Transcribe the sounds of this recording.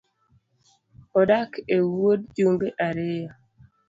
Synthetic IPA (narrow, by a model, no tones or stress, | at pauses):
ɔdakewod̚d͡ʒoŋɡeʔaɾeja